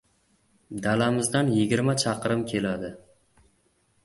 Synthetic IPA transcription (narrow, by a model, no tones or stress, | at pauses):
d̪alamɪzd̪anjɪɡʲɪɾmat͡ʃʰɑqɾɪmkʲʰe̞lad̪ɪ